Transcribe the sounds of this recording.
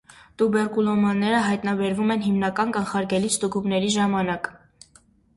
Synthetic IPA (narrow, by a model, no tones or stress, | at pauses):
t̪ubɛɾkulɔmɑnːɛɾəɦɑjt̪nɑbɛɾvumɛnɦimnɑkɑnkɑnχɑɾɡɛlist̪uɡumnɛɾiʒɑmɑnɑk